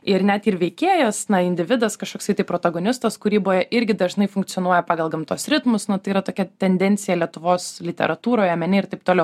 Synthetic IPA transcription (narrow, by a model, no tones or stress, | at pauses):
ɪɾnʲæt̪iːɾʋʲɛɪkʲeːjɛsnɐɪnʲd̪ʲɪʋʲɪd̪ɐskɐʃkoːksɐɪt̪ɐɪpɾoːt̪ɐɡoːnʲɪst̪ɐskʊɾʲiːboːjɛʔɪɾʲɡʲɪd̪ɐʒnɐɪfʊŋkt͡s̪sʲɪonuɔjɛpɑːɡɐlˠɡɐmt̪oːsɾʲɪt̪mʊsnʊt̪ɐɪiːɾɐt̪oːkʲɛt̪ʲɛnʲd̪ʲɛnʲtt͡s̪ʲɪjɛlʲiɛt̪ʊʋoːslʲɪt̪ʲɛ̰ɾʔɐt̪uːɾoːjɛmʲɛnʲɪɪɾt̪ɐɪpt̪oːlʲɛʊ